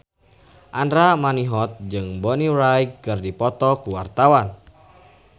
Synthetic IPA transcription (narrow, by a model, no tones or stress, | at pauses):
ʔandɾamaniɦɔt̪̚d͡ʒɨŋbɔniɾajkkːɨrdipɔt̪ɔkuwart̪awan